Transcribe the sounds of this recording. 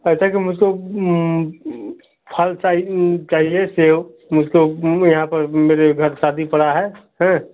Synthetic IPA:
əɪsakimʊd͡ʒʱko | pʰəlt͡ʃaːɦit͡ʃaːɦieseːo | mʊd͡ʒʱkojɐɦãpəɾmeːɾeɡʱəɾsaːd̪ʱipəɽaɦɛɦɛ̃

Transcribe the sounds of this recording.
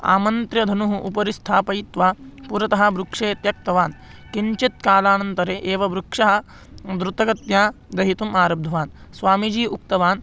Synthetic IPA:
a̰ːmɐnt̪ɾjɐd̪ʱɐnuɦuʔupɐɾist̪ʰaːpɐjit̪ʋaːpuɾɐt̪ɐɦɐ̆bɾukʂeːt̪jɐk̚t̪ɐʋaːn | kiɲt͡ʃit̪̚kaːlaːnɐnt̪ɐɾeːʔeːʋɐbɾukʂɐɦɐ̆ | d̪ɾut̪ɐɡɐt̪jaː | d̪ɐɦit̪umaːɾɐb̚d̪ʱɐʋaːnsʋaːmid͡ʒiːuk̚t̪ɐʋaːn

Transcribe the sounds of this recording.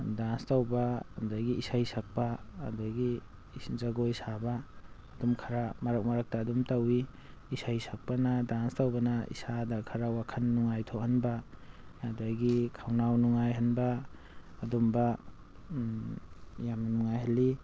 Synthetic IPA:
danstawbadajɡiisajsak̚paːdajɡi | zaɡojsabaː | dumkʰaɾamaɾak̚maɾak̚taːdumtawi | isajsʰak̚panadanstawbanaḭsadakʰaɾawakʰanːuŋajtʰohanbaː | dajɡikʰawnawnuŋajɦanbaː | dumba | jamnuŋajɦali

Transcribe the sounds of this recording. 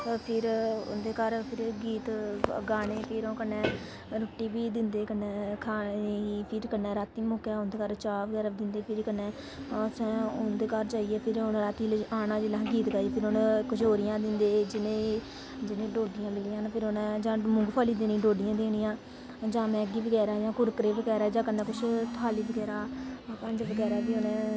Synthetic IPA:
pʰɪɾʊ̰nd̪eːkəɾpʰɪɾɡiːt̪ɡaːɽ̃eːpʰɪɾõːkənːɛ̃ː | ɾʊʈːiːbiːd̪ɪnd̪eːkənːɛːkʰaːeiːpʰɪɾkənɛːɾaːt̪iːmʊːkjaːʊnd̪eːkəɾt͡ʃaːʋɡɛɾəd̪ɪnd̪eːpʰɪɾkənːɛ̃ː | sɛ̃ːʊnd̪eːkəɾd͡ʒaːiːɛːpʰɪɾonɾaːt̪iːlaːnãːd͡ʒelãːɡiːt̪ɡaːiːpʰɪɾonkʊʃʰɦoːɾɪjãːd̪ɪnd̪eːd͡ʒɪnẽː | d͡ʒɪnẽːɖoːɖɪjãːmɪlɪjãːnpʰɪɾonɛːd͡ʒãːmʊ̃ŋɡpʰaːliːd̪eːnĩːɖoːɖɪjãːd̪eːɽ̃ɪjãː | d͡ʒãːmɛ̃ːɡiːbəɡɛːɾaːd͡ʒãːkʊɾkɾeːbəɡɛːɾaːd͡ʒãːkənːɛːkʊt͡ʃʰt̪ʰaːliːbəɡɛːɾaːpə̃ɲd͡ʒbəɡɛːɾaːbiːonɛ̃ː

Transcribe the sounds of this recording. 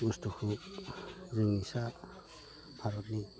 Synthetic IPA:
ustɔkʰub | ziŋisa | b̥ʱaɾɔtni

